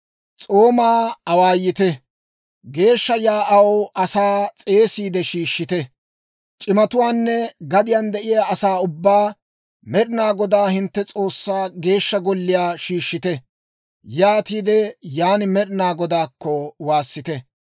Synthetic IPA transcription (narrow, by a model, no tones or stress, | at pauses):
t͡sʼo̞ːmaːɐwaːjːɪt̪ɛ | ɡe̞ːʃːɐjaːʔɐwʔɐsaːt͡sʼe̞ːsiːd̪ɛʃiːʃːɪt̪ɛ | t͡ʃʼɪmɐt̪ʊwaːnːɛɡɐd̪ɪjand̪ɛʔɪjaːɐsaːʊbːaː | mɛɾɪnaːɡɔd̪aːhɪnt̪ːɛt͡sʼo̞ːsːaːɡe̞ːʃːɐɡɔlːɪjaːʃiːʃːɪt̪ɛ | jaːt̪iːd̪ɛjaːnɪmɛɾɪnaːɡɔd̪aːkːɔwaːsːɪt̪ɛ